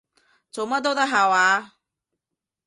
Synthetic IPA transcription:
t͡so˨wmɐ˥t̚t̪o˥t̪ɐ˥k̚ɦaː˨waː˨˧

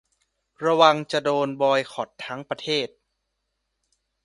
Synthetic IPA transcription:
ɾa˧wa˧ŋt͡ɕa˨˩doː˧nbɔː˧jxʰɔ˨˩t̪ʰːa˦˥ŋpɾa˧t̪ʰeː˥˩t̪̚

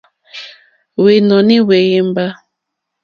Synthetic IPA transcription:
we˨nɔ˨ni˦we˨je˦mba˦

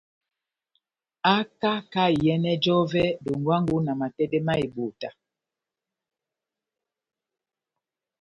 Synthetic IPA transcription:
a˦ka˦ka˦˨jɛ˦nɛ˦d͡ʒɔ˦vɛ˦do˨ŋ˨ɡwa˦ŋ˦ɡu˦na˨ma˨tɛ˦dɛ˦ma˦i˨ɓo˨ta˨

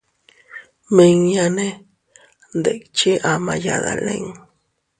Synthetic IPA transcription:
me˧ŋja˧ne˦ | nd̪e˨k̚t͡ʃi˦ʔama˧jaða˨le˦ŋ

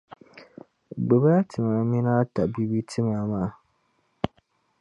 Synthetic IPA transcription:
ɡ͡bɛ˨ba˦a˦tʰɨ˨ma˨mi˦naː˦ta˨bi˦bi˦tʰɨ˦maː˨maː˦˨

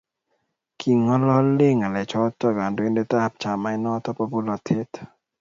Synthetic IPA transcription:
kʰi˨ŋːɔ˦lɔ˦le˦˨ŋa˨lɛ˨t͡ʃʰɔ˦t̪ɔ˧˨kaː˨ndo˨e˦nde˧˦t̪a˦ha˧p̚t͡ʃʰaː˨ma˧˦jnɔ˧˦t̪ɔ˧˦pa˧pu˦lɔ˧t̪ʰe˦t̪

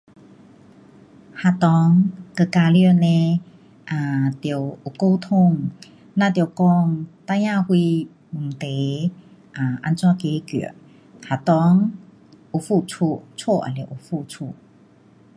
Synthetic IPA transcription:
ha˨t̪ɔ˧˦ŋkə˧˨ka˧ljnẽ˧ | ʔa˨t̪jə˨˩wu˨˩ko˧wt̪ʰʊ˥˧˨ŋ | nã˧˨t̪̬jkɔ˥˧˩ŋt̪a˧˨jãː˥˧˨hwi˧ | m̩˨˩t̪e˨˦ | ʔa˨˩ʔa˧nt͡swã˥˨ke˧˦kḭ˨˩˨ | ha˨t̪ɔ˧˦ŋ | ʔu˨˩fu˥˧˨t͡sʰu˧˨t͡sʰwo˥˧ʔa̰˨le˨˩ʔu˨˩fu˥˧t͡sʰu˧˨

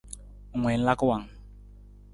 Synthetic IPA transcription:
ʊ˨ŋwɛ˨n̩˦la˦kʊ˦wa˨ŋ

